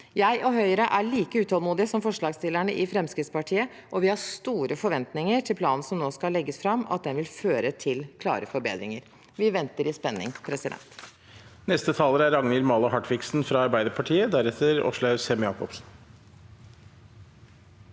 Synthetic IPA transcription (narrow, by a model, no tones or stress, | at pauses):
jæɪʔɔɦœʏəɾəʔæɭiːkəʉːt̪ʰɔːlmuːd̪ɪəsɔmfɔʂɭɑːɡst̪ɪlːæɳəʔɪfɾɛmskɾɪt̪spɑʈʰiːə | ʔɔʋɪhɑst̪uːɾəfɔɾʋɛnt̪nɪŋəʈʰɪlpʰlɑːnn̩sɔmnoːskɑlːɛɡːəsfɾɑmɑ̰t̪̚d̪ɛnʋɪlføːɾət̪ʰɪlkʰlɑ̰ːɾəfɔɾbḛːd̪ɾɪ̰ŋəɾ | ʋɪʋɛnt̪əɾɪspɛnːɪ̰ŋpʰɾɛsɪd̪ɛ̰nt̪ | nɛst̪ət̪ʰɑːləɾæɾɑŋnɪlmɑːləhɑʈʋɪksn̩fɾɑɑɾbæɪd̪əɾpʰɑʈʰiːəd̪æɾɛt̪ʰəɾɔ̰ʂlæʉsɛmjɑːkɔpsn̩